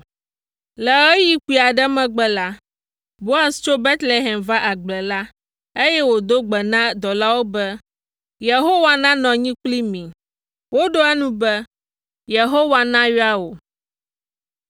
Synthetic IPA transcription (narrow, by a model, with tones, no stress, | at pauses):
lɛ˨ɛ˦ji˦ku˨i˨a˨ɖɛ˦mɛ̃˦ɡ͡bɛ˦la˦ | bo˦a˦st͡ʃo˦be˦t̪le˨ɦɛ˨mva˦ʔa˨ɡ͡blɛ˨la˦ | e˦jɛ˦wo˨d̪o˦ɡ͡bɛ˨nã˦d̪ɔ˨la˦wo˦bɛ˦ | je˨ɦo˦wa˨nã˦nɔ̃˨ɲĩ˦k͡pli˦mĩ˨ | wo˦ɖo˦ɛ˦nũ˦bɛ˦ | je˨ɦo˦wa˨nã˦ɥi˦a˦wo˨